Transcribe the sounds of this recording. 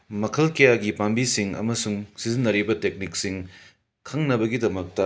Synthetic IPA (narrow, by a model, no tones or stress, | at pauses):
mɐkʰɐlkɐjaɡipambisiŋɐ̰mɐsuŋsizinːɐɾibɐtek̚nik̚siŋ | kʰɐŋnɐbɐɡidɐmɐk̚tɐ